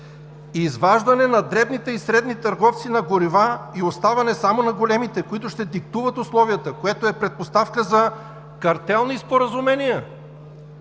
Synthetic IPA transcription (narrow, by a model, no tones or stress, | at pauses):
izvaʒd̪ɐnɛnɐd̪ɾɛbnit̪ɛisɾɛd̪nit̪ɐɾɡɔft̪sinɐɡoɾivaiost̪avɐnɛsamonɐɡolɛmit̪ɛkoit̪ʊʃt̪ɛd̪ik̚t̪uvət̪ʊslˠɔviət̪əkoɛt̪oɛpɾɛt̪̚post̪afkəzɐ | kɐɾt̪ɛlˠnispoɾəzumɛnijə